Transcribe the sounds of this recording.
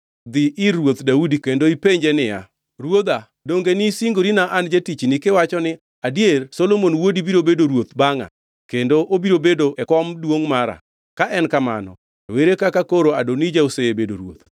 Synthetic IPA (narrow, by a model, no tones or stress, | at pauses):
d̪ɪʔɪɾwot̪daudikendoipeɲd͡ʒenɪja̰ | ɾwod̪a | doŋɡenisiŋɡoɾinaʔand͡ʒetit͡ʃnɪkɪwat͡ʃɔnɪ | adjeɾsolomonwodibiɾobedoɾwot̪baŋa̰ | kendoʔobiɾobedoʔɛkɔmdwoŋmaɾa̰ | kaʔɛnkama̰nɔ̰ | weɾekakakoɾoadonid͡ʒaoseebedoɾwo̰t̪